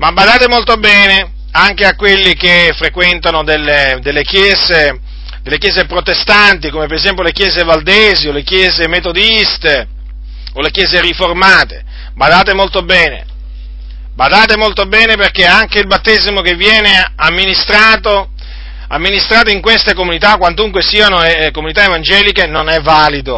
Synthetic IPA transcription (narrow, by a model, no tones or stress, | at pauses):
mabad̪aːt̪emolt̪obɛːne | aŋkeakːwelːikefɾekwɛnt̪anod̪elːed̪elːekjɛːze | d̪elːekjɛːzepɾot̪est̪ant̪ikomepeɾezɛmpjolekjɛːzevald̪eːziolekjɛːzemet̪od̪ist̪e | olekjɛːzeɾiformaːt̪e̥ | bad̪aːt̪emolt̪obɛːnḛ | bad̪aːt̪emolt̪obɛːneperkeaŋkeilbat̪ːezimokevːjɛːneamːinist̪ɾaːt̪o | amːinist̪ɾaːt̪oiŋkwest̪ekomunit̪akwant̪uŋkwesiːanoekomunit̪aevand͡ʒɛːlikenonɛvːaːlid̪o